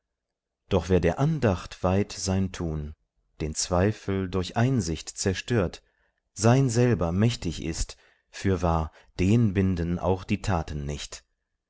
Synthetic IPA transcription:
d̥ɔχv̥eːɐdeːɐʔandaχtv̥aɪtz̥aɪntʰuːn | d̥eːnt͡sv̥aɪfl̩dʊɐçʔaɪnzɪçtt͡sɛɐʃtøːɐt | z̥aɪnzɛlbɐmɛçtɪçɪ̰st | fyːɐvaːɐ | d̥eːnbɪndənʔa̰ʊxd̥iːtʰaːtən̩ːɪçt

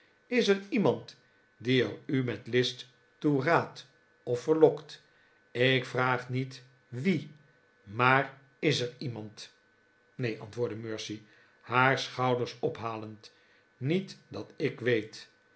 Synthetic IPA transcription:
ɪsəɹimɑnt | diərymɛtlɪstː | uraːt | ɔfːəɹlɔkt | ɪkfraːχnit | ʋi | maːr | ɪsəɹimɑnt | nejʔɑ̰ntʋoːɹdəmøːɹsi | haːɹsχɑwdəɹsɔpɦaːlənt | nitdɑtɪkʋejt

